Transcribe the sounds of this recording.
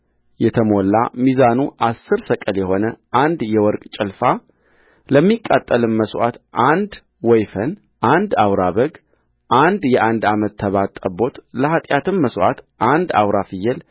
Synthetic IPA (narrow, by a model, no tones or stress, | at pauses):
jɛt̪ʰəmo̞lːamizanuʔasːɨɾsəkʼəljɛho̞nəʔand̪jɛwɔɾkʼt͡ʃʼɛlfa | ləmːikʼːat̪ʼːəlɨmːəswat̪ʔand̪ | wɔjfən | ʔand̪awɾaβəɡ | ʔand̪jɛʔand̪amət̪ʰːəβat̪ʼːəbo̞t̪ləhat̪ʼjat̪ɨmːəswʔa̰t̪ʔand̪a̰wɾafɨjːɛl